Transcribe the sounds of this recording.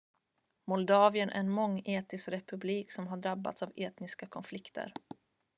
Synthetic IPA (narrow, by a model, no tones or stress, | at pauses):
mɔld̪ɑːvɪənʔæ̰ɾɛnmɔŋːeːt̪ɪskɾɛpɵbliːksɔmɦaɖɾabːa̰t̪saveːt̪nɪskakʰɔnflɪkt̪ʰə̰ɾ